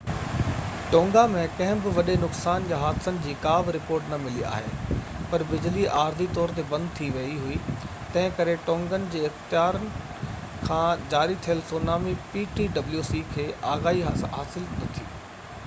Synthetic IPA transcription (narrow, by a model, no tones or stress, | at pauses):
ʈõːŋɡamẽkɐ̃ɦɪ̃bɪʋɐɗenʊksaːnjaɦaːt̪sənɪ̆d͡ʑiːkaːbɾɪpoːɾʈnɐmɪlia̰ːɦḛ | pɐɾbɪd͡ʑliʔaːɾd̪it̪ɔːɾt̪ebɐ̃nd̪̚t̪ʰiʋɐiɦʊit̪ɐ̃ɦɪ̃kɐɾeʈõːŋɡənɪ̆d͡ʑiːɪxt̪ɪjaːɾənɪ̆ | kʰãːd͡ʑaːɾit̪ʰijəlsoːnaːmipiːʈiːɖɐbljusikʰeːʔaːɣaːɦiɦaːɦaːsɪlnɐt̪ʰiː